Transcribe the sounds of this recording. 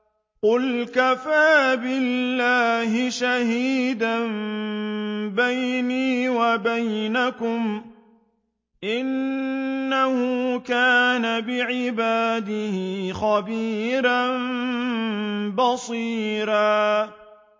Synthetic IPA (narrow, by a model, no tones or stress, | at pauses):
qʊlkafaːbɪlːaːɦɪʃahiːd̪an | bajniːwabajnakʊm | ʔɪnː | ahʊkaːnabɪʕɪbaːd̪ɪhɪxabiːɾan | bɑsˤiːɾaː